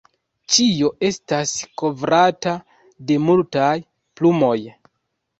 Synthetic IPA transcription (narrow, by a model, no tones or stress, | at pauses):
t͡ʃio̞ʔe̞stasko̞vɾata | de̞multaj | plumo̞j